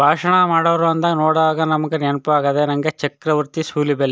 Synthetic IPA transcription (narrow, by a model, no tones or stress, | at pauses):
bʱaːʂɐɳɐmaːɽɐʋɾuɐnd̪ɐnoːɽaːɡɐnɐmɐɡenɐnpɐʋaːɡɐd̪enɐŋɡet͡ʃɐkɾɐʋɐɾt̪isuːlibɛlːe